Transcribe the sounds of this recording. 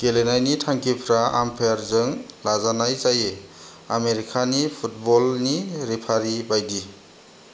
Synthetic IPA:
kelenajnitʰaŋkipʰɾaa̰mpʰeɾzɯŋlazanajzaje | ameɾikʰanipʰut̚bɔlniɾipʰaɾibajdi

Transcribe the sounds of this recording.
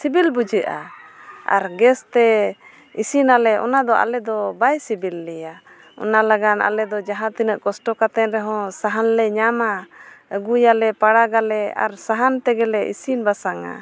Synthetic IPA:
sibilbud͡ʒəʔa̰ | a̰ɾɡɛst̪ɛ | isinalɛɔ̰nad̪ɔa̰lɛd̪ɔbajsibilːɛja | ɔ̰nalaɡana̰lɛd̪ɔd͡ʒaɦãt̪inəʔkɔsʈɔkat̪ɛnɾɛɦɔ̃saɦanlɛɲamaəɡujalɛpaɽaɡalɛa̰ɾsaɦant̪ɛɡɛlɛʔḭsinbasaŋa̰

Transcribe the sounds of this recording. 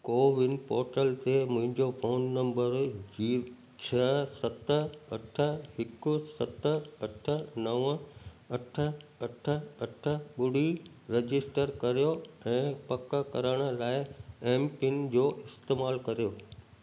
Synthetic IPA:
koːʋɪnpɔːɾʈəlt̪emʊ̃ɦɪ̃ɲd͡ʑofoːnːɐ̃mbəɾd͡ʑiː | t͡ɕʰɐsɐt̪əɐʈʰə̆ɦɪkʊsɐt̪ɐʈʰə̆nɐʋə | ɐʈʰə̆ | ɐʈʰə̆ɐʈʰə̆ɓʊɽ̤i | ɾed͡ʑɪsʈəɾkɐɾijoɛ̃ːpɐk̆kɐ̰ɾəɽ̃ə̆laːɪɛːmpɪŋd͡ʑoːʔɪst̪eːmaːlkɐɾijoː

